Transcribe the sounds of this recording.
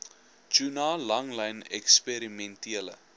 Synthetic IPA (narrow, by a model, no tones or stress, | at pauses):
d͡ʒunɑːlɐŋlɐjnɛkspeɾimɛ̃ntiələ̰